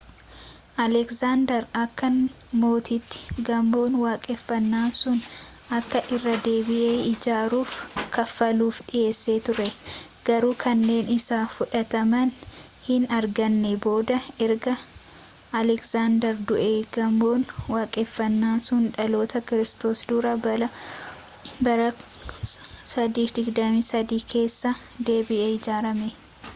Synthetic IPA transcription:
ʔɐlɛksaːnd̪ɛɾɐkːɐn | mo̞ːt̪it̪ːɪ̥ɡɐmbo̞ːnwaːkʼɛfːɐnːaːnsʊn | ʔɐkːɐʔɪrːɐd̪e̞ːbɪʔe̞ːɪd͡ʒaːɾuːfkɐfːɐluːfᶑɪʔe̞ːsːe̞ːt̪ʊɾɛ | ɡ̥ɐɾuːkʰɐnːe̞ːnɪsaːfʊᶑɐt̪ɐmɐn | hɪnɐɾɡɐnːɛbo̞ːd̪ɐɛɾɡɐː | lɛksaːnd̪ɐɾd̪ʊʔeːɡɐmːo̞ːnwaːkʼefːɐnːaːnsʊnᶑɐlo̞ːt̪ɐkɪɾɪst̪o̞ːsd̪uːɾɐbɐlɐ | bɐɾɐ | sɐd̪iːfd̪ɪɡd̪ɐmiːsɐd̪iːkʰe̞ːsːɐ | d̪e̞ːbɪʔeːɪd͡ʒaːɾɐmɛ

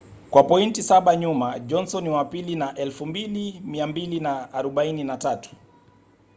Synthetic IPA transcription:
kwapɔintisaɓaɲumad͡ʒɔnsɔniwapilinaʔɛlfumbilimiambilinaːɾɔɓaininatatu̥

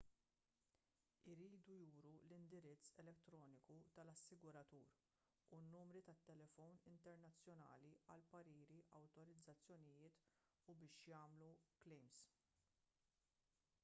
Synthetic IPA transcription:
ɪɾiːd̪ujuːɾulɪnd̪ɪɾɪt͡sːɛlɛt̪ːɾɔːnɪkut̪ɐlɐsːɪɡʊɾɐt̪uːɾ | unːuːmɾit̪ɐt̪ːɛlɛfɔwnɪnt̪ɛɾnɐt͡sːjɔnɐ̰ːliɐlpɐɾiːɾiʔɐwt̪ɔɾɪd͡zːɐt͡sːjɔnɪjɪːt̪ | ubɪːʃjɐːmluklɛjms

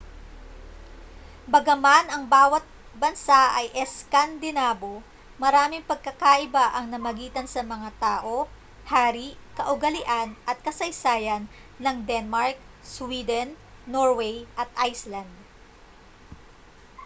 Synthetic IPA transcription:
bɐɡɐmanɐŋbaːwɐt̪̚ | bɐnsaʔɐjʔɛskand̪ɪnaːbo | mɐɾaːmɪŋpɐɡ̚kɐkaʔɪbaʔɐŋnɐmɐɡiːt̪ɐnsɐmɐŋat̪aːʔo̞ | haːɾikɐʔʊɡɐlɪʔanʔɐt̪̚kɐsɐjsaːjɐnːɐŋd̪ɛnmaɹk̚ | swiːd̪ɛnː | oɹwɛjʔɐt̪̚ʔajslɐnd̪̚

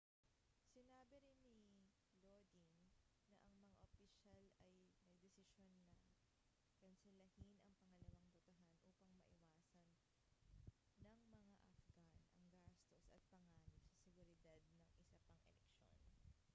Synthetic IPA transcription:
sɪnaːbɪɾɪnːi | lod̪inː | ɐʔɐŋmɐŋaʔofiʃalɐjnɐɡ̚d̪ɛsɪʃonːɐ | ɡ̥ɐnsɛlɐhinɐŋpɐŋɐlɐwaŋt̪ʊt̪ɐɦanʔuːpɐŋmɐʔɪwaːsɐn | ɐŋmɐŋaʔɐfɡɐnɐ̰ŋɡast̪osʔɐt̪̚pɐŋaːnɪsɐsɛɡʊɾɪd̪ad̪̚nɐŋʔɪsɐpɐŋʔɛ̰lɛkʃo̰n

